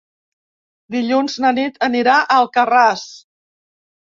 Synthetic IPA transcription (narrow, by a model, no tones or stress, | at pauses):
d̪iʎunznənit̪əniɾaʔəlˠkəras